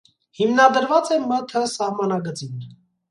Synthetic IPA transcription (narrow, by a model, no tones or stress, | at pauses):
himnɑd̪əɾvɑt͡sɛmət̪ʰəsɑhmɑnɑɡət͡sin